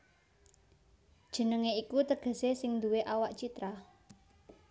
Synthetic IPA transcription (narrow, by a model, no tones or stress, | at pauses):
d̥ʒ̥ə̤nəŋeikut̪əɡ̥ə̤sesɪŋnd̪uweʔawaʔt͡ʃit̪ɾa